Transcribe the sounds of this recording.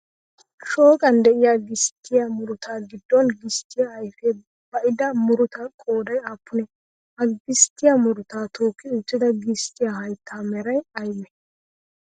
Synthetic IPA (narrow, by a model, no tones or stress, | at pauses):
ʃo̞ːkʼɐnd̪ɛʔɪjaːɡɪst̪ʰːɪjamʊɾʊt̪aːɡɪd̪ːɔnɡɪst̪ːɪjaːjfɛ | bɐʔɪd̪ɐmʊɾʊt̪akʼoːd̪ɐjaːpːʊnɛ | ɐɡɪst̪ːɪjamʊɾʊt̪aːt̪ʰo̞ːkːɪʊt͡ʃːɪd̪ɐɡɪst̪ːɪjahɐjt̪ʰːaːmɛɾɐjɐjmɛ